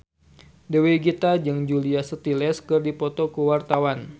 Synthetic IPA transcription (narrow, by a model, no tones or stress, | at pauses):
dəweɡit̪ad͡ʒɨŋd͡ʒuliasət̪ilɛskɨrdipɔt̪ɔkəwart̪awan